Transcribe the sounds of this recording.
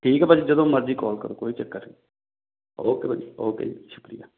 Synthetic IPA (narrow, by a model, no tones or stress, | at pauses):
ʈʰiːkɛːpad͡ʒid͡ʒəd̪õːməɾd͡ʒiːkɔːlkə̰ɾoːkoːiːt͡ʃəkːəɾ | oːkeːbad͡ʒioːkḛʃʊ̥kɾɪ̰ja̰ː